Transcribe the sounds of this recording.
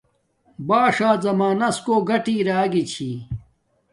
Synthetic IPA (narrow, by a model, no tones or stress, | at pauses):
baːʂaːzɐmaːnɐskoːɡɐʈiːɾaːɡit͡ɕʰi